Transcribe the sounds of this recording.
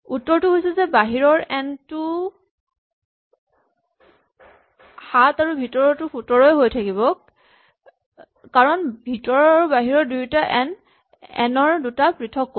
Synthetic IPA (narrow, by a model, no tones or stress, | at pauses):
utːɔɹtʊɦojsɛzɛbaɦiɹɔɹɛntʊ | hataɹubʱitɔɹɔtʊpʰutɔɹɔjɦojtʰakibɔ | kaɹɔnbʱitɔɹaɹubaɦiɹɔɹdujtaʔɛn | ɛ̰nɔɹdutapɹitʰɔkːo